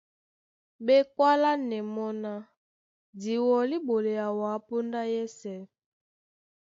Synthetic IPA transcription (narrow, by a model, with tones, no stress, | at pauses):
bɛ˦kwa˦la˦nɛ˨mɔ˦na˦ | di˨wɔ˨li˦bo˨le˨ja˨wa˨˦pu˦nda˦jɛ˦sɛ˦˨